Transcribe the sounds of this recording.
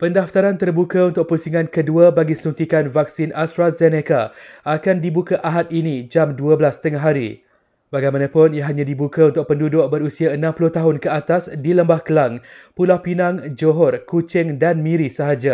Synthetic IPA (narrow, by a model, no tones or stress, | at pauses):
pəndaft̪aɾant̪ərbukaunt̪ʊk̚pəɾusiŋãnkəduabaɡisunt̪ikanvak̚sinast̪ɾazɛnekaakandibukaʔaɦat̪̚inid͡ʒamduabəlast̪əŋaɦaɾḭ | baɡajmanãpʊniaɦaɲãdibukaunt̪ʊk̚pəndudʊʔ̚bəɾusiaənãmpulʊht̪aɦʊnkəat̪asdiləmbahkəlaŋpulawpinãŋd͡ʒoɦɔrkut͡ʃɪŋdanmĩɾisəɦad͡ʒa